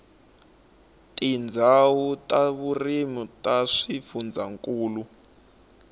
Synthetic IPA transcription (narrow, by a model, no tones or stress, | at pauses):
tʼind͡zʱawutʼaβurimutʼaʂifund͡zʱaŋkʼuːlu